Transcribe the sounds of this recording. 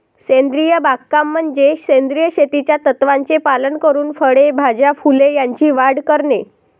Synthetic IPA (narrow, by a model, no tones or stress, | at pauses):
send̪ɾijəbakːamːənd͡ʑesẽnd̪ɾijəɕet̪it͡ɕjat̪ət̪ʋaɲt͡sepalənkəɾuːnfəɽebʱad͡ʑafulejaɲt͡ɕiːʋaɽkəɾɳe